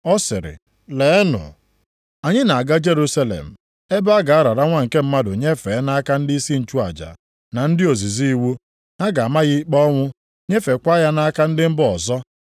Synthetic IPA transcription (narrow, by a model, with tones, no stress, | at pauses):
ɔ˦sɪ̰˨ɾɪ̰˨ | le˨˦nʊ̰˨ | a˨ɲɪ˦na˨a˨ɡa˦d͡ʒe˦ɾu˦sa˦lḛ˨m̩˨ | e˦ba˦ɡa˨a˦ɾa˨ɾa˦ŋʷa˦ŋ̩˨ke˦m̩˦ma˦dʊ˨ɲe˦fe˨˦na˦ka˦n̩˦di˦si˦n̩˨t͡ʃu˦a˨d͡ʒa̰˨ | na˨n̩˦dɪ˦o˨zi˨zi˦i˦wu˦ | ŋa˦ɡa˨ma˦ɣɪ˦k͡pɔ˦ŋʷʊ˦ | ɲe˦fe˨kʷa˦ja˦na˦ka˦n̩˦dɪ˦m̩˦bʊ˦ɔ˨zɔ˦